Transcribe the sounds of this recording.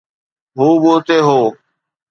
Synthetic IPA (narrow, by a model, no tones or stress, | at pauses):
ɦoːɓoːt̪eːɦoː